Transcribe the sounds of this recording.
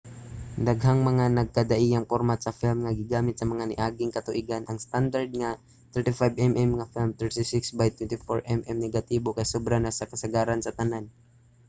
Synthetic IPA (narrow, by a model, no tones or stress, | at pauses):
d̪ɐɡɦaŋmɐŋanɐɡ̚kɐd̪aʔijɐŋpoɾmat̪sɐfilmŋɐɡɪɡaːmɪt̪̚sɐmɐŋanɪʔaːɡɪŋkɐt̪ʊʔiɡanʔɐŋst̪and̪aɾd̪̚ŋa | t̪ɛɹt̪ifajbɛmʔɛmŋɐfilmt̪ɛɹt̪isɪksbajt̪wɛnt̪ifoɹʔɛmʔɛmnɛɡat̪iːbokɐjsobɾanasɐkɐsɐɡaːɾansɐt̪ɐnan